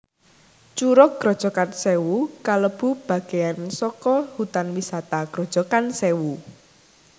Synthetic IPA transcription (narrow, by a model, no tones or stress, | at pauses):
t͡ʃuɾɔk̚ɡ̥ɾɔ̤d̥ʒ̥ɔkansewukaləb̥ṳb̥a̤ɡ̥ejansɔkɔhut̪anwisat̪aɡ̥ɾɔd̥ʒ̥ɔkansewu